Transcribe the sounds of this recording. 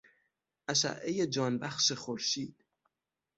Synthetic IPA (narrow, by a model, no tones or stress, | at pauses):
ʔæʃæ̰ʔːejed͡ʒɒːnbæxʃexoɾʃiːd̪̥